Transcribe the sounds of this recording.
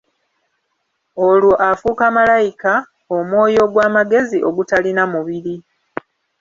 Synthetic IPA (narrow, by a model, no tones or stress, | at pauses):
o̞luʔafuːkamalajika | omwo̞ːjo̞ɡwaːmaɡe̞ziʔo̞ɡutalinamuβiɾi